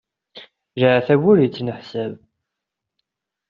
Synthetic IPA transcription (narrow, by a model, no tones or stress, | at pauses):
ʒʕæθæwʊɾjət͡sːnəħsæb